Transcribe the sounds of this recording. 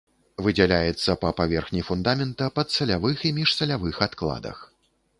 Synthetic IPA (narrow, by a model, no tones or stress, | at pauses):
vɨd͡zʲɛlʲajɛt̪sːɐpɐpavʲɛrxnʲifund̪amʲɛnt̪ɐpɐt̪sɐlʲavɨximʲiʂsɐlʲavɨxat̪klˠa̰d̪ɐ̰x